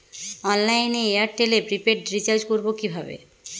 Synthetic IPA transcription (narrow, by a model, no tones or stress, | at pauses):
ɔnlajneejaɾʈelepɾipeʈɖɾit͡ɕaɾd͡ʑkoɾbokibʱabḛ